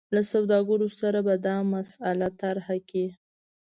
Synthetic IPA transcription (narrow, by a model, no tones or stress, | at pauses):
lasawd̪ɑɡəɾosaɾabad̪ɑmasalat̪aɾhaki